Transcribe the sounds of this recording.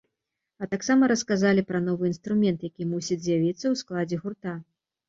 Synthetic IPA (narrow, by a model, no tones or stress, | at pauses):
ɐt̪aksamɐɾɐskazalʲipɾɐn̪ɔvɨin̪st̪ɾumʲɛnt̪jakʲimusʲid͡zʲzʲjavʲit̪sːɐwsklˠad͡zʲɛɣurt̪a